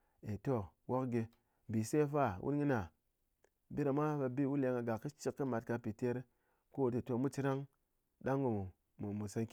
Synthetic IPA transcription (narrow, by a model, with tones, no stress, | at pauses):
e˨to˦wo˦kɡe˧˨ | bi˨se˦fa˦˨wʔṵ˦n˦ŋi˦na˨ | bi˦ɾa˨ma˦ba˧bi˦wu˦le˧˦ŋa˨ɡa˨kki˦t͡ʃi˦kːɨ˦ma˨tka˧pi˨te˦ɾ | ko˦˨te˨to˦mu˦t͡ʃi˦ɾa˦ŋ | ɗa˦ŋɡo˨mu˨ | mu˨mu˨sa˧nk